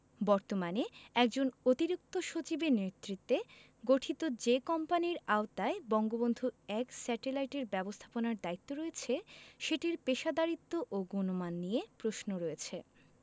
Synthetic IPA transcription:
bɔɾt̪omaneɛk̚d͡ʑonot̪iɾik̚t̪oʃot͡ɕibenet̪ːɾit̪ːe | ɡoʈʰit̪od͡ʑekɔmpaniɾaot̪aebɔŋɡobond̪ʱuɛksɛʈelajʈeɾbɛbost̪ʰḁponaɾd̪ait̪ːoɾoet͡ɕʰeʃeʈiɾpeʃad̪aɾit̪ːoʔoɡonomanːijepɾoʃnoɾɔjet͡ɕʰe

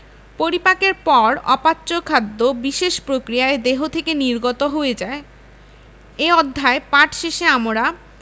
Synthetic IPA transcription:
poɾipakeɾpɔɾɔ̰patːɕokʰad̪ːobiʃeʃpɾokɾijaed̪eɦot̪ʰekeniɾɡot̪oɦoed͡ʑae | eɔd̪ʱːaepaʈʰʃeʃeamoɾa

